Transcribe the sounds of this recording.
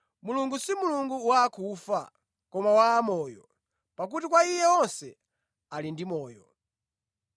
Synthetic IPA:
muluŋɡusimuluŋɡuwakʰufa̰ | kɔmawaːmɔːjɔ | pak̬utikwaijɛɔnsɛ | alindimɔːjɔ

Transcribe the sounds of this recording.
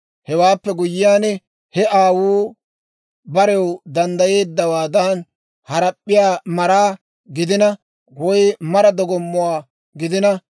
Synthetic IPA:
hɛwaːpːɛɡʊjɪːjaːnɛ | hɛʔaːwuː | bɐɾɛwd̪ɐnd̪ɐje̞ːd̪ːɐwaːd̪ɐn | hɐɾɐpʼːɪjaːmɐɾaː | ɡɪd̪ɪnɐ | wɔjmɐɾɐd̪ɔɡɔmːʊwaː | ɡɪd̪ɪnɐ

